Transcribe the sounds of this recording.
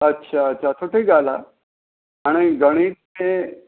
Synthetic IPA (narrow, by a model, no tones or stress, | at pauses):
ətːɕʰaətːɕʰat̪ʰoʈʰiɡala̰ | aɽ̃iɡəɽ̃iːt̪̚me